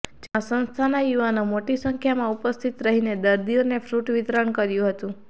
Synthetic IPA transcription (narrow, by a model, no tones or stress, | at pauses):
d͡ʒãsə̃nst̪ʰanajuʋanomoʈisəŋkʰjamãupəst̪ʰit̪ɾəɦined̪əɾd̪ionefʰɾuʈʋɪt̪ɾəɳkəɾjũɦət̪ũ